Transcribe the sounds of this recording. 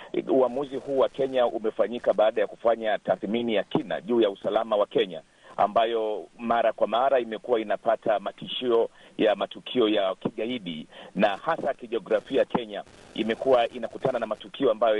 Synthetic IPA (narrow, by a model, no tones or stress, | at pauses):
uamuzihuːwakɛɲaʔṵmɛfaɲikaɓaːɗajaku̥faɲataθminijakina̰ʄuːjausalamawakɛɲa̰ | a̰mbajɔmaɾakwamaɾaimɛkuwainapatʰamatiʃiɔjamatukʰiɔjakiɠaiɗḭnahasakiʄɔɡɾafiajakʰɛɲaimɛkuwaʔinakutananamatukʰiɔambajɔ